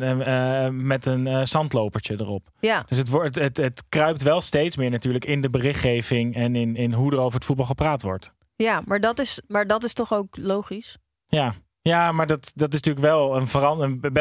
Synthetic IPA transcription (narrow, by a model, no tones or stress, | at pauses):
mɛtənːsɑntlowpəɹt͡ʃədərɔpd̥øs̬ətʋɔtətətkrœɥp̚tʋɛlˠstejtsmɪːɹnatyːɹləkɪndəbərɪχχejvɪŋɛnɪnɪnɦudərowvəɹətfud̚bɑlˠχəpraːtʋɔ̰ɹt | jamaːɹdɑtɪsmaːɹdɑtɪstɔχowklowχis | jaː | jaːmaːɹdɑtdɑtɪsntyːləkʋɛlˠənvərɑnənb